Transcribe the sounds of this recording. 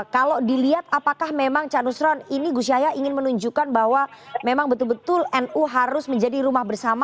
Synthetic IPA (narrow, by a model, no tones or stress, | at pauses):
kalodiliat̪̚apakahmemaŋt͡ʃanusɾɔniniɡusiajaʔiŋɪnmənuɲd͡ʒukanbaɦwamemaŋbət̪ʊlbət̪ʊlɛnuɦaɾʊsməɲd͡ʒadiɾumahbərsama